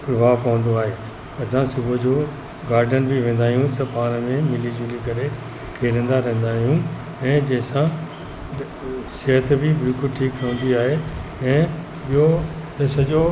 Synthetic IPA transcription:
pɾɐbʱaːʋpɐʋə̃nd̪oaːɦeː | ɐsãsʊbʱəd͡ʑoː | ɡaːɾɖənbɪʋẽːnd̪aːɦijũsɐpaːñəmẽmɪlid͡ʑʊlikɐɾe | kʰeːlə̃n̆d̪aɾɐ̃ɦə̃nd̪aːɦijũ | ɛ̃ːd͡ʑɐ̃ɦsã | sɐɦət̪bɪbɪlkʊlʈʰiːkɾɐɦə̃n̆d̪iaːɦeɛ̃ː | iɦot̪ɐsɐʄo

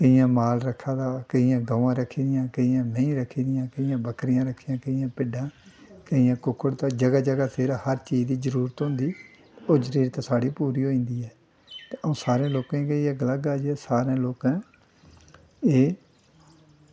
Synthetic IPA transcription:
kəijãːmaːlɾəkʰːãːd̪aːkəijãːɡaːʋãːɾəkʰːiːd̪ɪjãːkəijãːmẽĩːɾəkʰːiːd̪ɪjãːkəijãːbəkɾɪjãːɾəkʰːiːjãːkəijãːpɪɖãːkəijãːkʊkʰːəɽt̪ãːd͡ʒəɡaːd͡ʒəɡaːsʰeɾahəɾt͡ʃiːd͡ʒd̪iːzəɾuːɾət̪ɦõnd̪iː | oːd͡ʒəɾiːɾt̪ãːsaːɽiːpuːɾiːɦoːĩːnd̪iːɛː | t̪eːəõːsaːɾẽːloːkãːkəiːjãːɡəlaːɡaːd͡ʒɛːsaːɾãːloːkãː | eː

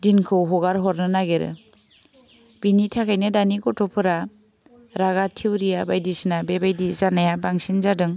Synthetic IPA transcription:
dinkʰɯwɦɔɡaɾɦɔɾnɯnaɡeɾɯ̰ | b̥initʰakʰajnɯdanikɔtʰɔpʰɯɾa | ɾaɣatʰiwɾijabajdisinabebajdizanajabaŋsinzadɯŋ

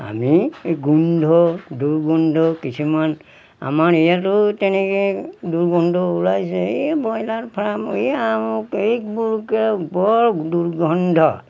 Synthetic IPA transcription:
a̰miɡundʱɔduɹɡundʱɔkisʰiman | a̰maɹijatʊtɛnɛkeduɹɡɔndʱɔulajsebɔjlaɹpʰɹamojamukek̚buɹukebɔɹduɹɡɔndʱɔ

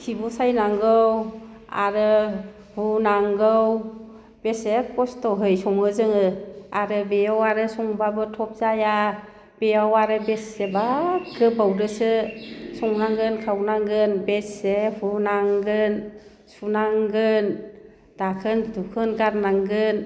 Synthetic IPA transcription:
kʰibɔsajnaŋɡɯw | a̰ɾɯ | hunaŋɡɯw | besekɔstɔɦɯjsɔŋɯzɯŋɯaɾɯbeɔwaɾɯsɔŋbabɯtʰɔp̚zaja | b̥ejawaɾɯbesebakʰɯbawdɯsɯsɔŋnaŋɡɯnkʰawnaŋɡɯnbesehunaŋɡɯn | sunaŋɡɯn | d̥akʰɯndukʰɯnɡaɾnaŋɡɯn

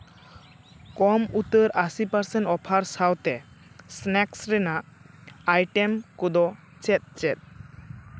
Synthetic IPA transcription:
kɔmut̪əɾasipəɾsɛ̃ɳʈɔpʰaɾsawt̪ɛ | snɛksɾɛnaʔ | ajʈɛmkɔd̪ɔ | t͡ʃɛt̪̚ˀt͡ʃɛt̪̚

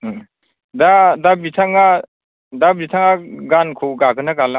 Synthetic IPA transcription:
dadabitʰaŋa | dabitʰaŋaɡankʰuɡaɡɯnaɡala

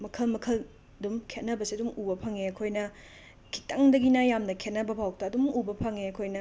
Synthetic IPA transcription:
mɐkʰɐlmɐkʰɐl | dumkʰet̚nɐbɐsiɐdumubɐpʰɐŋeɐkʰojnɐ | kʰi̥tɐŋdɐɡinajamnɐkʰet̚nɐbɐbʱawk̚tɐːdumubɐpʰɐŋeɐkʰojnɐ

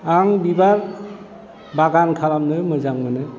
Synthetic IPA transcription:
aŋbibaɾ | baɡankʰalamnɯmɯzaŋmɯnɯ

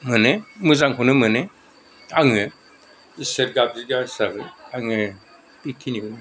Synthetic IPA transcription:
mɯnɯmɯzaŋkʰunɯmɯnɯ | aŋɯ | iseɾɡab̚ziɡasaɡɯaŋɯ | pikʰinibɯn

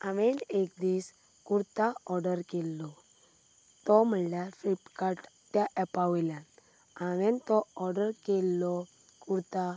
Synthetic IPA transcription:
aʋenekd̪iːs | kuɾt̪aɔɾɖəɾkɛlːɔ | t̪ɔm̤əljafɾipkaʈ | t̪jaʔɛpaʋlan | aʋɛnt̪ɔɔɾɖəɾkɛlːɔ | kuɾt̪a

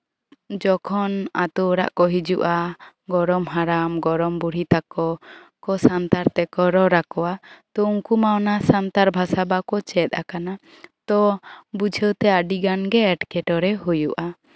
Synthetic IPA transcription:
d͡ʒɔkʰɔnat̪ɔɾa̰ʔkɔɦid͡ʒuʔa | ɡɔɾɔmɦaɾamɡɔɾɔmbuɽ̤it̪akɔ | kɔsant̪aɾt̪ɛkɔɾɔɾakɔwat̪ɔuŋkumawnasant̪aɾbʱasabakɔt͡ʃɛt̪̚ˀa̰kana | t̪ɔbud͡ʒʱəwt̪ɛaɖiɡanɡɛɛʈkɛʈɔɾɛɦujuʔa

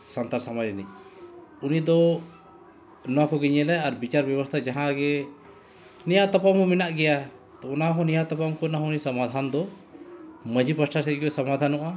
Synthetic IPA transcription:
sant̪aɾsamad͡ʒni | unid̪ɔ | nɔwakɔɡiɲɛlɛaɾbit͡ʃaɾbjɛbɔst̪ʰad͡ʒaɦãɡɛ | nijaʔt̪ɔpamɔ̃minaʔɡɛja | t̪ɔɔnaɦɔ̃nijat̪ɔpamkɔnaɦɔ̃unisamad̪ʱand̪ɔ | məd͡ʒipəsʈʰasɛɡɔsamad̪ʱanɔʔa

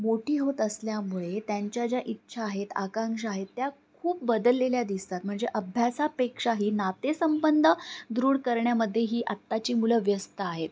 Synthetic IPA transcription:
moʈʰiːɦot̪əsljamuɭet̪jaɲt͡ɕjad͡ʑjaʔitːɕʰaːɦet̪a̰kãŋkʂ̬əaɦet̪ːjakʰuːp̚bəd̪əlːeljad̪ist̪at̪m̤əɳd͡zeʔəbʱjasapekʂaɦiːnat̪esəmbənd̪ʱəd̪ɾuːɽkəɾɳjaməd̪ʱːjeɦiːʔat̪ːat͡ɕiːmuləʋjəst̪əaɦet̪̚

